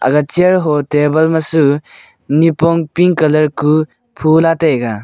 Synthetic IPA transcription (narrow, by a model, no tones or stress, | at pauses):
a̰ɡat͡ʃiaɾɦotebɐlmasu | nipɔŋpiŋkɐlɐɾku | pʰulatajɡa